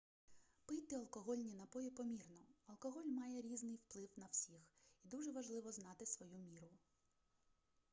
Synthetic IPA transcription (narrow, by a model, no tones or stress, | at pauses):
pɪjt̪ɪɐlˠkɔɦɔlʲnʲinɐpɔjipɔmʲirnɔɐlˠkɔɦɔlʲmɑjɛɾʲiznɪjwplˠɪwnɐw̥sʲixid̪uʒɛʋɐʒlˠɪʋɔznɑt̪ɪsʋɔjumʲiɾʊ